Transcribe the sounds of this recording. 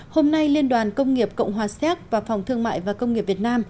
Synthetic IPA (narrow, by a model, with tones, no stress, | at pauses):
ho˧mna˧jli˧ənɗwaː˨˩nkə˧wŋ͡mŋi˨˩əp̚kə̰˧˨wŋ͡mɦwaː˨˩sɛ˦˥k̚vaː˨˩fa˨˩wŋ͡mt̪ʰɨ˧əŋma̰ː˧˨jvaː˨˩kə˧wŋ͡mŋi˨˩əpvi˨˩t̚naː˧m